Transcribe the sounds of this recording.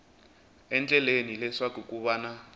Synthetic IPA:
ɛnt͡ɬʼɛlenilɛʂakukuβana

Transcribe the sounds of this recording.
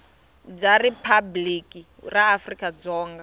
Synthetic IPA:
b͡ʐaripʰabliki | raːfrikʼad͡zɔːŋɡa

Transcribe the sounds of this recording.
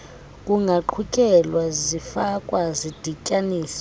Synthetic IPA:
kʼuŋɡʱaǃʰukʼɛlwazifakʼwazid̥ʱikʼaniːsḁ

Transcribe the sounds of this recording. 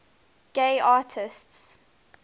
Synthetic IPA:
ɡ̥eɪaːtʰɪsts

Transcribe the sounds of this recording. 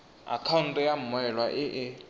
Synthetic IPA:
a̰kʰawn̩tʼɛjam̩mwɛlwaʔɪʔɪ

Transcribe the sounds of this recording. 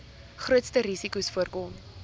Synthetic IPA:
χruətstəɾisikusfuərkɔm

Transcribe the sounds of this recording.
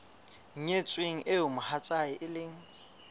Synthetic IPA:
ŋ̩ɲet͡sʼweŋ̩ʔɪʊmʊhat͡sʼaɪʔɪlɪŋ̩

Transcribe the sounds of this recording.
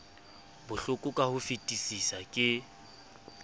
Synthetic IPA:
bʊɬʊkʼʊkʼahʊfitʼisisakʼɪ

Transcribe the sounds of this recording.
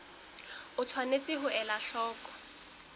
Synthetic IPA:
ʊt͡sʰwanet͡sʼɪɦʊʔɛlaɬɔːkʼɔ̥

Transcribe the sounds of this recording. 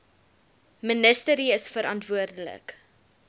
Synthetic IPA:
mənəstəɾiəsfəɾɑntvuərdələ̰k

